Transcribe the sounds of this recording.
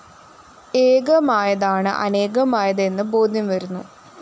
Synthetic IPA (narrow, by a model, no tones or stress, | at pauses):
eːɡɐmaːjɐðaːɳɨ̰ʔɐ̰ne̞ːɡɐmaːjɐðɐenːɨbo̞ːd̪ʱjɐmʋɐɾunːu